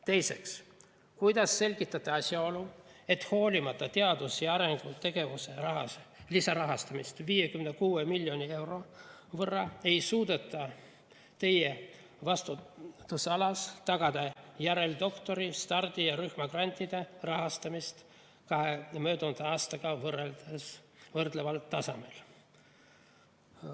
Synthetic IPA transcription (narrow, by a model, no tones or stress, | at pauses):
t̪e̞jse̞ks | kujd̪ɑsːe̞lʲɡ̥it̪ːˑɑt̪ːˑɑɑsʲjɑo̞lue̞t̪ːho̞ːlʲimɑt̪ːˑɑt̪e̞ɑd̪̥usjɑɑɾeŋɡ̥ut̪e̞ɡ̥e̞vuse̞rɑɦɑ̰slisɑɾɑɦɑst̪ɑmist̪viːje̞kymnekuːemilʲːjo̞nʲie̞wɾo̞ | vɤrːɑe̞jsuːd̪e̞t̪ːˑɑ | t̪e̞je | vɑst̪ut̪ːusɑlɑst̪ɑɡ̥ɑd̪ɑjæɾe̞ld̪o̞kt̪o̞ɾist̪ɑrd̪̥ijɑɾyhmɑɡrɑnʲt̪ʲːˑid̪̥e̞rɑɦɑst̪ɑmist̪ | kɑɦemø̞ːd̪und̪̥ɑɑːst̪ɑɡ̥ɑvɤreld̪esvɤrd̪̥levɑlt̪ɑsɑmel